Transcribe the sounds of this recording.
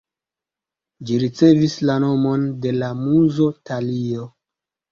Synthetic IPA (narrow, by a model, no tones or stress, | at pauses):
d͡ʒiɾit͡se̞vislano̞mo̞nde̞lamuzotalio